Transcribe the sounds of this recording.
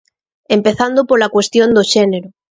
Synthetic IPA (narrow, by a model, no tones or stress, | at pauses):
empeθand̪opoɾlakwest̪jond̪oʃeneɾo